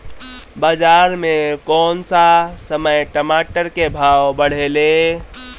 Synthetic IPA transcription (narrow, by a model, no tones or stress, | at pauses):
bad͡ʒaɾmekɔnsasəməjʈəmaʈəɾkebʱawbəɽ̤ele